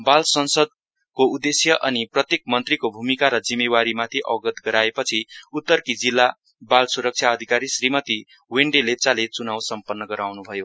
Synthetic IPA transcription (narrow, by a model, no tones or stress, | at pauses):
balsʌnsʌd̪̚ | koud̪esjʌʔʌniprʌt̪jek̚mʌnt̪rikobʱumikaɾʌd͡zimːewaɾimat̪ʰiʔʌ̰ɡʌt̪ɡʌɾaepʌt͡sʰiut̪ːʌrkid͡zilːa | balsuɾʌk̚t͡sʰjaʌd̪ʱikaɾisrimʌt̪i | weɳɖelet͡salet͡sunawsʌmpʌnːʌɡʌɾawnubʱʌjo